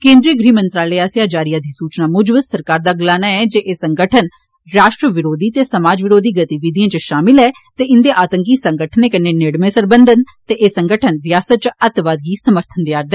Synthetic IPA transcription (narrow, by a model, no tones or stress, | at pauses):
kẽːnd̪ɾiːəɡɾiːmənt̪ɾaːleːaːsjaːd͡ʒaːɾijãːd̪iːsuːt͡ʃnaːmʊd͡ʒʋəssəɾkaːɾd̪aːɡəlaːnaːɛːd͡ʒeːʔeːsəŋɡəʈʰən | ɾaːʃʈɾəʋɪɾoːd̪iːt̪eːsəmaːd͡ʒʋɪɾoːd̪iːɡət̪iʋɪd̪ijãːt͡ʃəʃaːmɪlɦɛː | t̪eːɪnd̪eːʔaːt̪əŋkiːsə̃ŋɡəʈʰəneːkənːeːneːɽmẽːsəɾbənd̪ənt̪eːʔeːsəŋɡəʈʰənɾɪjaːsət̪̚t͡ʃət̪ʋaːd̪̚ɡiːsəməɾt̪ʰənd̪ɪaːɾd̪ɛː